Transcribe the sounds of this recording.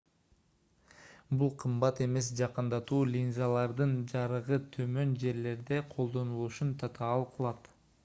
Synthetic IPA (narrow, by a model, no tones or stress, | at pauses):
bulˠqʰɯmbɑt̪e̞me̞s̬d͡ʒɑqɯnd̪ɑt̪uːlʲinzalˠɑɾd̪ɯnd͡ʒɑɾɯʁɯt̪ʰø̞mø̞nd͡ʒe̞ɾle̞ɾd̪e̞qʰo̞lˠd̪o̞nulˠuʃunt̪ʰɑt̪ʰɑːlˠqʰɯlˠɑt̪